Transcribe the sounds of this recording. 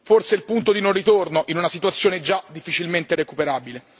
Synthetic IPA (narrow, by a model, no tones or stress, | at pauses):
forseilpunt̪od̪inorːit̪ornoʔinunasit̪uat̪sːjoːned͡ʒad̪ifːit͡ʃilment̪eɾekupeɾaːbile